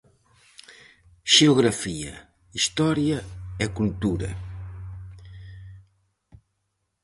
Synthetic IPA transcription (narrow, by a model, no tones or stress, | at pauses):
ʒ̥euɣɾɐfiɐ̰ | iʃt̪ɔɾjɐekult̪uɾɐ̰